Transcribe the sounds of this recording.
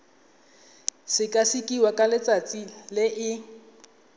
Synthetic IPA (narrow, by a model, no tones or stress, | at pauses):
sɪkʼasikʼiwakʼalɪt͡sʼat͡sʼilɪʔɪ